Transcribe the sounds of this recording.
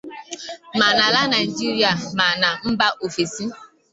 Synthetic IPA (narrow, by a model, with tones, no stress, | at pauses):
ma˨na˨la˦na˨d͡ʒi˦ɾi˦a˨ma˨na˨m̩˦ba˦ʔo˨fe˨si˦